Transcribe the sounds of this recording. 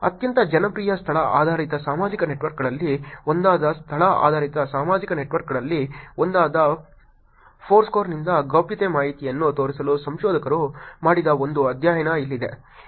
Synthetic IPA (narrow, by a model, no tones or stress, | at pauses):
ɐ̰t̪jɐnt̪ɐd͡ʒɐnɐpɾiːjɐst̪ʰɐɭɐaːd̪ʱaːɾit̪ɐsaːmaːd͡ʒikɐne̞ʈʋɐɾkɡɐɭɐlːiond̪aːd̪ɐst̪ʰɐɭɐa̰ːd̪ʱaːɾit̪ɐsaːmaːd͡ʒikɐneʈʋɐɾkɡɐɭɐlːiond̪aːd̪ɐ | pʰoːɾskoːɾnind̪ɐɡɐʋpjɐt̪emaːɦit̪ijɐnːut̪o̞ːɾisɐlusɐmʃɔːd̪ʱɐkɐɾumaːɽid̪ɐo̞nd̪uɐd̪ʱjaːjɐnɐilːid̪e̞̰